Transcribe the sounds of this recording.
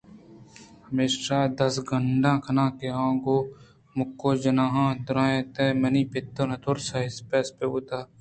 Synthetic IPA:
hɐmeːʃaːd̪ɐsɡəɳɖãːkʰɐnãːkeãːɡoː | mʊkːoːd͡ʒɐnãːɦãːd̪ʊɾãːẽːt̪emɐniːpɪt̪ːənɐt̪ʰoːɾsaɦɪspeːspeuːt̪aː

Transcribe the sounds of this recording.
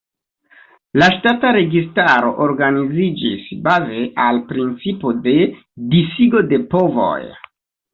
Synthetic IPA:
laʃtataɾe̞ɡistaɾo̞ʔoɾɡanizid͡ʒisbave̞ʔalpɾint͡sipo̞de̞ | disiɡo̞de̞po̞vo̰j

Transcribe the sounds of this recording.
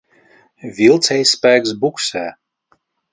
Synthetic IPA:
vʲilˠt̪sɛjsːpæːɡsbuksæː

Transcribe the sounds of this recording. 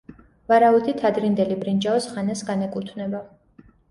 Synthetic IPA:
vaɾaut̪ʰit̪ʰad̪ɾind̪ɛlibɾind͡ʒaɔsχanasɡanɛkʼut̪ʰvnɛba

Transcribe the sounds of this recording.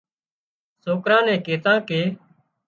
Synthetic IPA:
soːkɾãːnɛ̃ːkeːt̪ãːkeː

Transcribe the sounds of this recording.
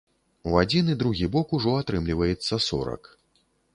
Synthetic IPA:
wad͡zʲinid̪ɾuɣʲibɔkuʐɔat̪ɾɨmlʲivɐjɛt̪sːɐsɔ̰ɾɐ̰k

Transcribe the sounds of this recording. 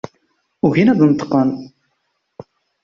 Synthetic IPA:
ʊçinæðnət̪ːə̥qːən

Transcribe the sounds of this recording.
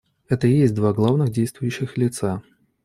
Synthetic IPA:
ɛt̪əjesʲtʲd̪vaɡlˠavnɨxdʲejst̪vʊjʉɕːɪxlʲɪt̪sa

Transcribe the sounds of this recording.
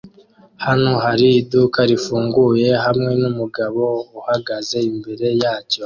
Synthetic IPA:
hanoɦaɾiːdukaɾifuːŋɡuje̞ɦamŋe̞numuɡaβo̞uhaɡaze̞imbe̞ɾe̞jaːco̞

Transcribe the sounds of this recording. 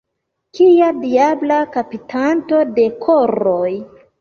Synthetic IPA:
kijadiablakapitʰanto̞de̞kʰoɾoj

